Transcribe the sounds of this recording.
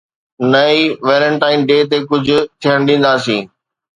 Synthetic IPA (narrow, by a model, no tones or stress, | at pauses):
nɐiːʋeːɾə̃ɳʈaːɪnɖeːt̪̬ekʊd͡ʑʱʊ̆t̪ʰijəɽ̃ɗĩːn̆d̪aːsĩː